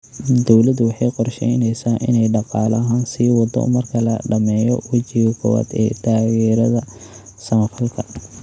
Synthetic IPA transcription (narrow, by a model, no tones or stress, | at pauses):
d̪ɔwlɐd̪wɑħɑjqɔrʃɛjnɛjsaːʔɪnɛjɖɑqɑːlɐɦaːnsiːwɑd̪ɔ̰mɐrkʰɐlɐɖɐmɛːjɔ̰wɐt͡ʃɪɣɐkʰɔ̰wa̰ːd̪ɛ̰ːt̪ʰaːɣɛːɾɐðɐsɐmɐfɐlkʰɐ